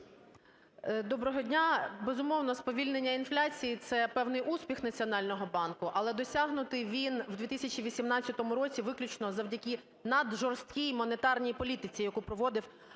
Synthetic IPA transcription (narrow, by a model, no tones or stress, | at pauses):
d̪ɔbɾɔɦɔdʲnʲabezʊmɔwnɔspɔʋʲilʲnenʲːɐinflʲat͡sʲijit̪sɛpɛwnɪjʔuspʲixnɐt͡sʲiɔnɑlʲnɔɦɔbɑnkʊʔɐlˠɛd̪ɔsʲaɦnʊt̪ɪʋʲinwd̪ʲit̪ɪsʲɐt͡ʃʲiʋʲisʲimnɑt͡sʲjɐt̪ɔmʊɾɔt͡sʲiʋɪklʲʊt͡ʃnɔzɐwdʲɐkʲi | nɐd̪ʒɔrst̪̚kʲijmɔnet̪ɑrnʲijpɔlʲit̪ɪt͡sʲijɐkupɾɔʋɔd̪ɪw